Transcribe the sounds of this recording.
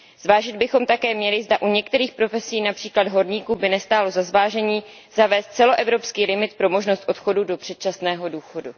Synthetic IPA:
z̥vaːʒɪd̪̚bɪxo̞mt̪akɛːmɲɛlɪzdaʔuɲɛkt̪ɛɾiːxpɾo̞fɛsiːnapr̥iːklad̪ɦo̞ɾɲiːkuːbɪnɛst̪aːlo̞zazvaːʒɛɲiː | z̥avɛːst̪̚t͡sɛlo̞ʔɛvɾo̞pskiːlɪmɪt̪pɾo̞mo̞ʒnost̪ʔo̞t̪xo̞dudo̞pr̝̥ɛt̪̚t͡ʃasnɛːɦo̞duːxo̞du

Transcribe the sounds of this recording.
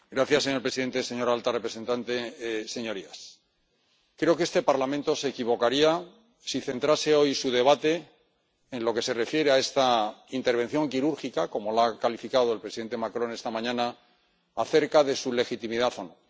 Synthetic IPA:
ɡɾaθjasːeɲo̞ɾpɾesiðe̞nt̪e̞se̞ɲo̞ɾalt̪arepɾe̞se̞nt̪ant̪e̞se̞ɲo̞ɾias | kɾe̞o̞keest̪e̞paɾlamẽnt̪o̞se̞kiβo̞kaɾia | siθe̞nt̪ɾase̞o̞jsuðe̞β̞at̪e̞ː | nlo̞ke̞se̞re̞fje̞ɾe̞ae̞st̪aint̪e̞ɾβ̞e̞n̟θjo̞ŋkiɾuɾxikako̞mo̞lakalifikaðo̞e̞lpɾesiðe̞nt̪e̞makɾõ̞ne̞st̪amãɲãnaː | θe̞ɾkaðe̞sule̞xit̪imiðaθo̞no

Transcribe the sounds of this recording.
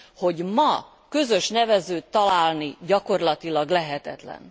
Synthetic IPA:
ho̞ɟmɒ | kø̞zø̞ʃnɛvɛzøːt̪ːɒlaːlniɟɒko̞rlɒt̪ilɒɡlɛɦɛt̪ɛt̪lɛ̰n

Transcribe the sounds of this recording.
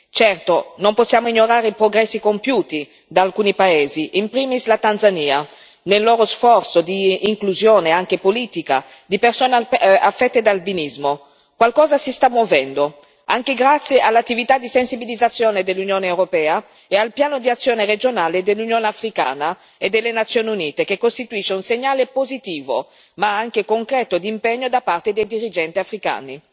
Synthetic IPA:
t͡ʃɛrt̪onomposːjaːmoiɲːoɾaːɾeipɾoɡɾɛsːikompjuːt̪i | d̪alkuːnipaɛːziʔimpɾiːmislat̪anzaniːa | nelːɔːɾosfɔrt̪sod̪iːŋkluzjoːneaŋkepoliːt̪ika̰ | d̪ipersɔːnafːɛt̪ːed̪albinizmo | kwalkɔːzasist̪amːwovɛnd̪o | aŋkeɡɾat̪sːjeʔalːat̪ːivit̪ad̪isensibilid̪zːat̪sːjoːned̪elːunjoːneewɾopɛːa | ealpjaːnod̪iat̪sːjoːnered͡ʒonaːled̪elːunjoːneafɾika̰ːna | ed̪ːelːenat̪sːjoːniuniːt̪ekekːost̪it̪uiʃːeunseɲːaːlepozit̪iːvo̰ | maaŋkekoŋkɾɛːt̪od̪impɛɲːod̪apːart̪ed̪ejd̪iɾid͡ʒɛnt̪iafɾika̰ːni

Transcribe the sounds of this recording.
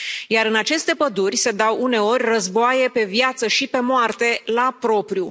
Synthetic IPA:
jaɾɨnat͡ʃe̞st̪e̞pəd̪urʲse̞d̪awune̞o̞rʲrəzboaje̞pe̞vjat̪səʃipe̞moart̪e̞lapɾo̞pɾiu

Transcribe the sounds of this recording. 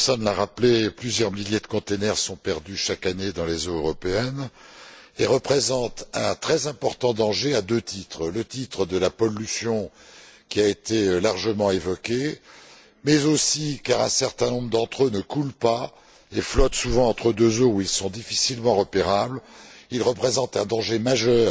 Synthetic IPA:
pɛsɔnlaʁapleplyzjœʁmiljed̪əkɔ̃t̪enɛʁsɔ̃pɛʁd̪yʃakaned̪ɑ̃lezoøʁɔpeɛn | eʁəpχezɑ̃t̪ɛ̃t̪χɛzɛ̃pɔʁt̪ɑ̃d̪ɑ̃ʒead̪øt̪ʰit̪χlət̪it̪χəd̪əlapɔlːysjɔ̃kʲiaet̪elaʁʒəmɑ̃evɔkʲe | mɛzosikaʁɛ̃sɛʁt̪ɛ̃nɔ̃bʁəd̪ɑ̃t̪χønəkulpa | eflɔt̪suvɑ̃ɑ̃t̪χəd̪øzouilsɔ̃d̪ifisilmɑ̃ʁəpeʁablilʁəpχezɑ̃t̪ɛ̃d̪ɑ̃ʒemaʒœːʁ

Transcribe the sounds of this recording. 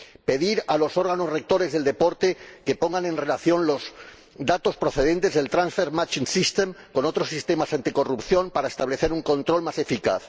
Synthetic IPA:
pe̞ðiɾalo̞so̞ɾɣano̞zre̞k̚t̪o̞ɾe̞zðe̞ld̪e̞po̞ɾt̪e̞ke̞po̞ŋɡanẽ̞nre̞laθjõ̞nlo̞z | d̪at̪o̞spɾoθe̞ðe̞nt̪e̞zðe̞lt̪ɾãnsfeɾmat͡ʃinsist̪emko̞no̞t̪ɾo̞sist̪e̞masant̪iko̞rupθjo̞mpaɾaest̪aβle̞θe̞ɾuŋkõ̞nt̪ɾo̞lmase̞fika̰θ

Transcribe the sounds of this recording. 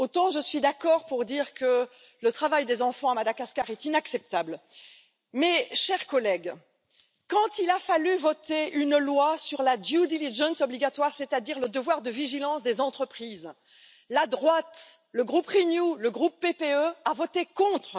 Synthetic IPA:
ot̪ɑ̃ʒəsɥid̪akɔʁpuʁd̪iːʁkə | lət̪χavajd̪ezɑ̃fɑ̃amad̪akaskaʁɛt̪inaksɛp̚t̪abl | mɛʃɛʁkɔlɛɡ | kɑ̃t̪ilafalyvɔt̪eynlwasyʁlad̪jud̪iliʒɑ̃nsɔbliɡat̪waʁset̪ad̪iʁləd̪əvwaʁd̪əviʒilɑ̃sd̪ezɑ̃t̪χəpχiːz | lad̪ʁwat̪ | ləɡʁupʁinjuləɡʁupːepeøavɔt̪ekɔ̃t̪χ

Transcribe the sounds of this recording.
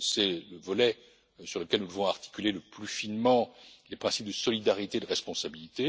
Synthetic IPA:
sɛləvɔlɛ | syʁləkʲɛlnud̪əvɔ̃aʁt̪i̥kʲyleləplyfinmɑ̃lepχɛ̃sip̚d̪əsɔlid̪aʁit̪ed̪əʁɛspɔ̃sabilit̪e

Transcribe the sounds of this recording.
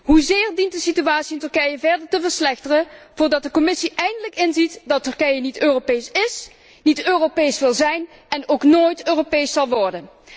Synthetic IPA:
ɦuzɪːrdint̚dəsityaːtsiɪntɵɹkɛjəvɛɹdəɹtəvəɹslɛxtərəv̥ʊːɹdɑt̚dəkɔmɪsiʔɛjndələkɪnzitdɑtɵɹkɛjənitøːropejsɪs | nitøːropejsʋɪlˠzɛjn | ɛnowknoːjtøːropejsɑlˠʋɔɹdən

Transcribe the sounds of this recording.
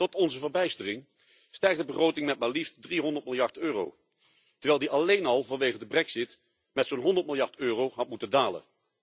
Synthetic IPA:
tɔtɔnzəvəɹbɛjstərɪŋ | stɛɹχdəbəχrowtɪŋmɛt̚maliftdriɦɔndəɹt̚mɪlˠjɑɹtøːro̰w | təɹʋɛːjlˠdiʔɑlejnɑlˠvɑnʋejχəndəbrɛksɪt | mɛtsonɦɔndəɹtmɪlˠjɑɹtøːrowɦɑt̚mutəndaːlə̰

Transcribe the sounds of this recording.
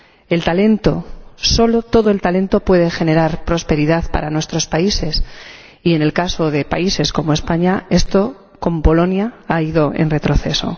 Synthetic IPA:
e̞lt̪ale̞nt̪o̞̰so̞lot̪o̞ðo̞e̞lt̪alẽ̞nt̪o̞pwe̞ð̞e̞xe̞ne̞ɾaɾpɾo̞spe̞ɾiðaθpa̰ɾanwe̞st̪ɾo̞spaise̞s | ie̞ne̞lkaso̞ðe̞pa̰ise̞sko̞moe̞spaɲae̞st̪o̞ | ko̞mpo̞lo̞njaaiðo̞ʔe̞̰nre̞t̪ɾo̞θe̞so̞̰

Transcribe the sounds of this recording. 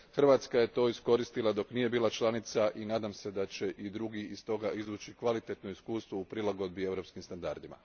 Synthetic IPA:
xr̩ʋat̪skaje̞t̪o̞ːisko̞ɾist̪ilˠad̪o̞knije̞biːlˠat͡ʃlˠanit̪saʔinaːd̪amse̞d̪at͡ɕe̞ʔid̪ɾuɡiist̪o̞ɡaʔizʋuːt͡ɕikʋalit̪e̞t̪no̞iskuːst̪ʋoupɾilˠaɡo̞d̪̚bie̞vwɾo̞pskimst̪and̪a̰ɾd̪ima̰

